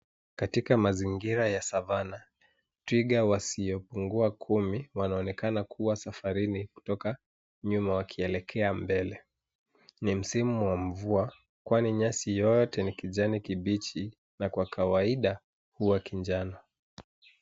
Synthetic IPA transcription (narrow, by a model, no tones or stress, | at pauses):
katikamaziŋɡiɾajasavana | twiɡawasijɔpuŋɡuakʰumiwanaɔnɛkanakʰuwasafaɾiniku̥tɔka | ɲumawakʰiɛlɛkʰɛambɛlɛ | nim̩simuwam̩vua | kwaniɲasijɔjɔtɛnikiʄanikiɓit͡ʃi | nakwakʰawaiɗa | huwakiɲd͡ʒanɔ